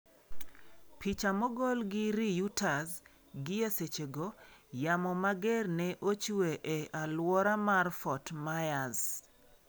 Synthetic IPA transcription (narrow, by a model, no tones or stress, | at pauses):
pʰit͡ʃamɔɡɔlɡɪɾijutas | ɡɪeset͡ʃeɡojamɔmaɡɛrnɛʔot͡ʃweʔeʔalwɔɾamarfɔtmajaz